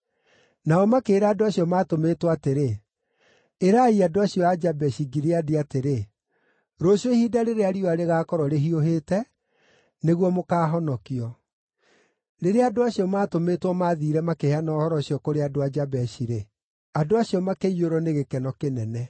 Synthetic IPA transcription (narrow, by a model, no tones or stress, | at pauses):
naɔmakeːɾaadoaɕiɔmaːtometwateɾe | eɾaiadoaɕiɔad͡ʒabɛɕiɡiɾeadiateɾe | ɾoɕoihiːdaɾeɾeaɾiɔaɾeɣaːkɔɾɔɾeɦioɦeːtɛ | neɣwɔmokaːɦɔnɔkiɔ | ɾeɾeadoaɕjɔmaːtometwɔmaːðiːɾɛmakehanɔːhɔɾɔɕijɔkoɾeadoad͡ʒabɛɕiɾe | adoaɕjɔmakeioɾɔneɣekɛnɔkenɛnɛ